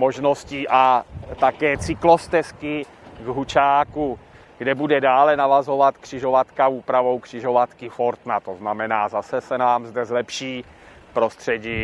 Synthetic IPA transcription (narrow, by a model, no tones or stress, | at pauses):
mo̞ʒno̞sciːʔat̪akɛːt͡sɪklo̞st̪ɛskɪ | ɡɦut͡ʃaːku | ɡ̥dɛbudɛdaːlɛnavazo̞vat̪kr̝̥ɪʒo̞vat̪kauːpɾavo̞wkr̥ɪʒo̞vat̪kɪfo̞ɾt̪nat̪o̞znamɛnaːzasɛsɛnaːmzdɛzlɛpʃiː | pɾo̞st̪r̝̥ɛɟiː